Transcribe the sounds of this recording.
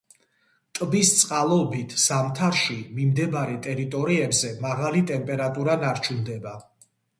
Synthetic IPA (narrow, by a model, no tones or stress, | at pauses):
t̪ʼbist̪sʼqʼalˠɔbit̪ʰz̥amt̪ʰaɾʃimimd̪ɛbaɾɛt̪ʼɛɾit̪ʼɔɾiɛbzɛmaʁalit̪ʼɛmpʼɛɾat̪ʼuɾanaɾt͡ʃʰund̪ɛba